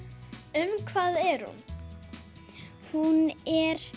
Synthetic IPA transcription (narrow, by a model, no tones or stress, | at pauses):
ʏmkʰvaːðɛɾ̥hṵn | hunɛɾ̥